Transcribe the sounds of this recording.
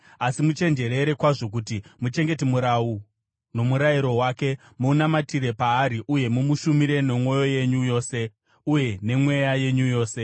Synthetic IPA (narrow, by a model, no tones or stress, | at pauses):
asimut͡ʃe̞nd͡ʒe̞ɾeɾe̞kwaʐo̞k̬utimut͡ʃe̞ŋɡe̞timuɾau | no̞muɾaiɾo̞waːke̞ | muːnamatiɾe̞paːɾiʔuje̞mumuʃumiɾe̞no̞mwo̞jo̞je̞ɲujo̞ːse̞ | uje̞ne̞mwe̞jaje̞ɲujo̞ːse̞